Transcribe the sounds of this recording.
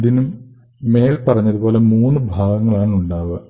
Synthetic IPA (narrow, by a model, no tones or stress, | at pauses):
ðinumː | e̞ːlpɐrɐɲːɐðubo̞ːle̞muːnːɨbʱaːɡɐŋːɐɭaːɳuɳɖaːʋɨ